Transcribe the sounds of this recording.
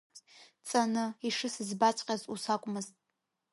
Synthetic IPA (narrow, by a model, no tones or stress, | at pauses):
t͡sʼanɨiʂɨsɨzbat͡ʃʷʼqʲʼazusakʷʼmɨztʼ